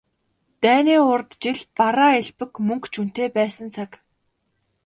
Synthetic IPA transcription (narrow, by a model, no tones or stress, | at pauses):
t̪æːniːʊrt̪t͡ɕiɮpaɾaːeɮpɘ̆kmɵŋkt͡ɕʰun̥t̪eːpæːsə̆nt͡sʰak